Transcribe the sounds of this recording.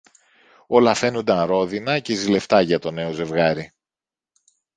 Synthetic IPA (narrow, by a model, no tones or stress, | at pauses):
o̞lɐfe̞nund̪ɐnɾo̞ðinɐce̞zile̞ft̪ɐʝɐt̪o̞ne̞o̞ze̞vɣɐɾi